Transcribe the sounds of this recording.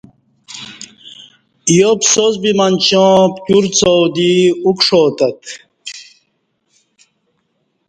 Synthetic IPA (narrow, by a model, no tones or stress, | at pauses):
ijopsozbimant͡ɕõpkuɾt͡sowd̪iukʂoːt̪ɐt̪